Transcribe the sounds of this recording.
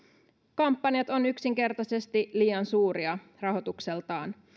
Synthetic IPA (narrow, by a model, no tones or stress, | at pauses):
kɑmpːɑnjɑt̪o̞nyksiŋke̞rt̪ɑse̞st̪iliːɑnsuːɾiɑ | rɑɦo̞t̪ukselt̪ɑːn